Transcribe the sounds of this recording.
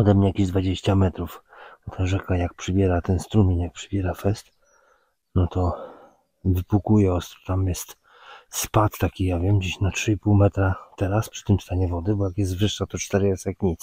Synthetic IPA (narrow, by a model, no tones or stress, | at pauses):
ɔd̪ɛmɲɛjakʲiʑd̪vad͡ʑeɕt͡ɕamɛt̪ɾufɔt̪ʰaʐɛkajak̚pʂɨbʲjɛɾat̪ɛnst̪ɾumʲiɲjak̚pʂɨbʲjɛɾafɛst̪ | nɔt̪ɔ | vɘpukujɛɔst̪ɾu̥t̪amjɛst̪ | spat̪ːakʲijavʲjɛmd͡ʑiɕnatʂɘipuwmɛt̪ɾat̪ɛɾaspʂɘ̥t̪ɘmst̪aɲɛvɔd̪ɘbɔjakjɛst̪vɘʂːat̪ɔt͡ʂt̪ɛɾɘɛsakɲit̪s